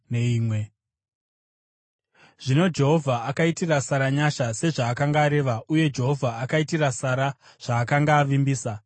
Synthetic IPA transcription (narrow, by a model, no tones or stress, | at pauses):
neiːmwe̞ | ʐ̥ino̞d͡ʒe̞ɦo̞vʱaakaitirasaɾaɲaʃase̞ʐaːkaŋɡaːɾe̞ʋauje̞d͡ʒe̞ɦo̞vʱaakaitirasaɾa | ʐ̥aːkaŋɡaːʋimbiːsa